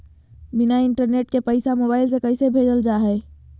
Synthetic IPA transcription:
bɪnaɪɳʈəɾneːʈkepəɪsamobaːɪls̬ekəɪsebʱeːd͡ʒəld͡ʒaːɦɛː

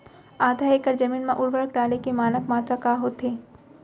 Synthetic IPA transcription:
aːd̪ʱaːekəɾd͡ʒɐmiːnmãʔʊɾʋəɾəkɖaːlekemaːnəkmaːt̪ɾakaːɦoːt̪eː

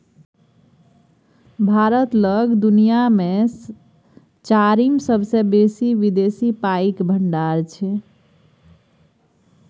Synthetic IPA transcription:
bʱaɾət̪ləɡd̪unijame | t͡ʃaɾimsəbʱsẽbesiʋid̪esipaikbʱəɳɖaɾt͡ʃʰɛ

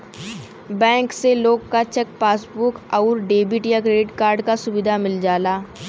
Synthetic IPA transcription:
bɛ̃ːŋkseloːɡkat͡ʃək̚paːsbukɐʊɾɖeːbɪʈjakɾeːɖɪʈkaːɾɖkasʊbɪd̪ʱamɪld͡ʒaːlaː

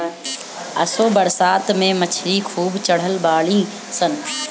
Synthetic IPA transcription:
ɐsoːbɐɾsaːt̪mẽmɐt͡ʃʰɾikʰuːbt͡ɕɐɽ̤əlbaːlĩ | sən

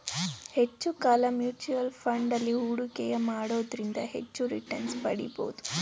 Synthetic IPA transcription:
he̞t͡ʃːukaːlɐmjuːt͡ʃuʋɐlpʰɐɳɖɐlːiɦuːɽukɛjɐmaːɽoːd̪ɾind̪ɐhe̞̰t͡ʃːuɾḭʈɐnspɐɽḭbo̰ːud̪u

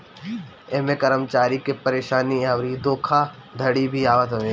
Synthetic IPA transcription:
eːmẽkəɾəmt͡ʃaːɾikepɐɾeːʃaːniaʋɾid̪oːkʰa | d̪ʱɐɽibʱiaːʋət̪ɦoeː

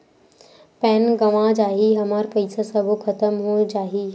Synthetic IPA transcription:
pɛːnɡɐʋãd͡ʒaːɦiɦɐmaːɾpɐɪsasɐbʱukʰɐt̪əmɦud͡ʒaːɦiː

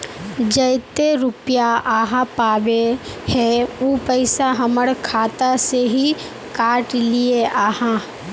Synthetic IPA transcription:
d͡ʒəjt̪eɾʊpjaaːɦãpaːʋe | hɛoːpəɪsaɦɐməɽkʰaːt̪aseɦi | kaːʈlieʔaːhã

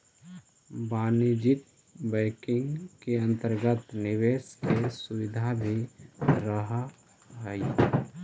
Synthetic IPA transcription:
baːnid͡ʒɪt̪̚ | bəɪkɪ̃ŋɡkeə̃nt̪əɾɡət̪nɪweːskesuʋɪd̪ʱabʱiɾəɦa | ɦəi

